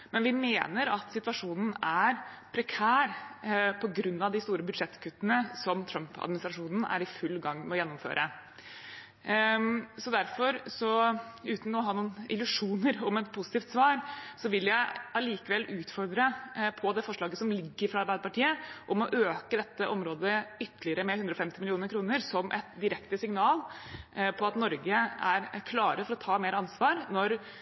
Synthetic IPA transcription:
mɛnʋɪmeːnəɾɑt̪sɪt̪ʋɑʂuːnn̩æɾpʰɾɛkʰæːɾpʰɔɡɾʉnːɑʋd̪ɪst̪uːɾəbʉd̪ʂɛt̪ːkʰʉt̪ːənəsɔmt̪ʰɾœmpʰɑ̰d̪mɪnɪst̪ɾɑʂuːnn̩æ̰ɾɪfʉlːɡɑŋːmɛɔjɛnːɔmfø̰ːɾʔə | sɔd̪æɾfɔɾsɔʉːt̪n̩ɔɦɑːnuːnɪlʉʂuːnəɾɔmɛt̪̚pʰʊsɪt̪iːft̪sʋɑːɾsɔʋɪljæɪɑliːkəʋɛlːʉːt̪fɔɾd̪ɾəpʰɔd̪ɛfɔʂɭɑːɡəsɔmlɪɡːəɾfɾɑɑɾbæɪd̪əpɑʈʰiːəʔɔmɔʔøːkəd̪ɛt̪ʰːəʔɔmɾoːd̪əʏt̪ːəlɪəɾəmɛhʉnd̪ɾɔfɛmt̪ɪmɪlɪuːnəɾkʰɾuːnəɾsɔmʔɛ̰t̪d̪ɪɾɛkt̪əsɪŋnɑːlpʰɔɑt̪nɔɾɡəæɾkʰlɑːɾəfɔɾɔt̪ʰɑːmeːɾəɑnsʋɑːɾnɔɾ

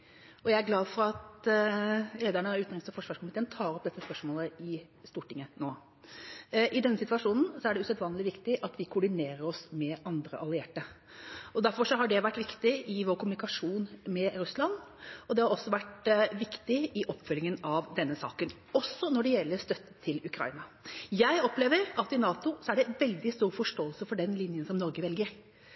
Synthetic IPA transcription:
ɔjæɪæɾɡlɑːd̪fɔɾɑt̪ | leːd̪æɳəɑʉːt̪ːɪŋsɔfɔʂʋɑːʂkʊmɪt̪ʰeːənt̪ʰɑːɾɔpd̪ɛt̪ːəspœʂmoːləɪ | st̪uːʈɪŋːənoː | ʔɪd̪ɛnːəsɪt̪ʋɑʂuːnn̩sɔæɖɛʉsɛt̪ʋɑːnəlɪʋɪkt̪ɪʔɑt̪ʋɪkʰʊːɖɪneːɾəɾɔsmɛʔɑnd̪ɾə̰ʔɑlɪeːʈə | ɔd̪æɾfɔʂɔɦɑɖɛʋæʈːʋɪkt̪ɪʔɪʋoːɾkʰʊmʉnɪkɑʂuːnmɛɾʉslɑnɔd̪ɛhɑɾɔsːɔʋæʈʋɪkt̪ɪʔɪʔɔpːfœlːɪŋənɑʋd̪ɛnːəsɑ̰ːkən | ɔsːɔnɔɖɛjɛlːəɾst̪œt̪ːə̥t̪ʰːɪlʉkʰɾɑ̰ɪnɑjæɪɔpleːʋəɾɑt̪ɪnɑːt̪ʊsɔæɖɛʋɛld̪ɪst̪uːɾfɔʂʈoːəlsəfɔɖɛnlɪnjənsɔmnɔɾɡəʋɛlɡəɾ

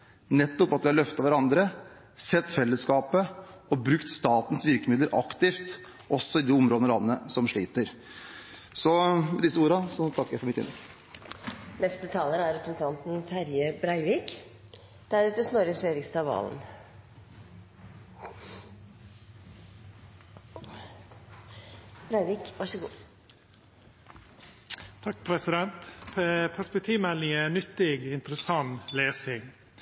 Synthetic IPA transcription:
nɛt̪ːɔpɑt̪ʋɪɑɭœft̪ɑʋæɾɑnd̪ɾə | sɛt̪ːfɛlːəskɑːpəɔbɾʉkt̪st̪ɑːt̪n̩sʋɪɾkəmɪd̪ləɾʔɑ̰kt̪ɪft̪ | ʔɔsːɔɪd̪iːʊmɾoːd̪nɔlɑnːəsɔmʂɭiːt̪əɾ | sɔmɛd̪ɪsːəuːɾɑsɔt̪ʰɑkːəɾjæɪfɔɾmɪt̪ɪ̰nɛk | nɛst̪ət̪ʰɑːləɾæɾɛpɾəsən̩t̪ʰɑnt̪n̩t̪ʰæɾjəbɾæɪʋiːk | d̪̥æɾʉːt̪əsnɔɾəsʋeːɾɪkst̪ɑʋɑ̰ːln | b̥ɾæɪʋiːkʋɑʂəɡṵː | t̪ʰɑk̚pʰɾɛsɪd̪ɛnt̪ʰpʰæspɛk̚t̪ʰiːʋmɛlɪŋənʏt̪ːɪɡɪnt̪ɾəsɑnleːsɪŋ

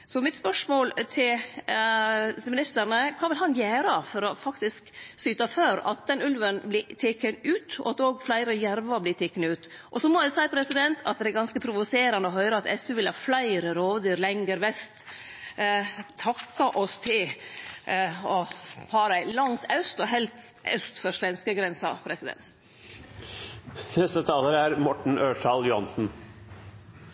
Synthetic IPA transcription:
sɔmɪt̪spœʂmoːlt̪ʰɪl | mɪnɪst̪æɾɳəkʰɑːʋɪlɦɑnjeːɾɑfɔɾɔfɑkt̪ɪsksyːt̪ɑføːɾɑ̰t̪̚d̪ɛnʉlʋənblɪt̪ʰeːkːənʉːt̪ɔ̰ɑt̪oːɡflæɪɾəjæɾʋɑblɪt̪ʰeːkːənʉːt̪ʔɔsɔmɔjæsæɪpʰɾɛsɪd̪ɛnt̪ʰɑt̪̚d̪ɛæɾɡɑnskəpʰɾʊʋʊseːɾɑnd̪əɔɦœʏɾəɑt̪ɛsʉʋɪlhɑːflæɪɾəɾoːʋd̪yːɾlɛŋɡəɾʋɛst̪ | t̪ʰɑkːɑʔɔst̪ʰɪl | ɔpʰɑːɾæɪlɑŋt̪ʰɑʉst̪ɔɦɛlt̪ʔœst̪fɔɾʂʋɛnskəɡɾɛnsɑ̰pʰɾɛsɪd̪ɛ̰ns | nɛst̪ət̪ʰɑːləɾæɾmɔʈɳ̩ʔøːʂɑljʊhɑnsn̩

